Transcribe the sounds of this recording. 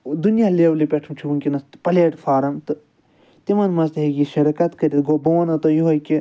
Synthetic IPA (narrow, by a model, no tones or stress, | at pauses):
d̪unjalewlipʲeʈʰumt͡ʃʰiuŋkʲinɐst̪pɐleːʈfʰaːɾɐmt̪ɨ | t̪imɐnmɐst̪ɦeɡiʃɐɾɐkɐt̪kɐɾʲit̪ɡobɐʋɐnɐt̪ɐjuɦojki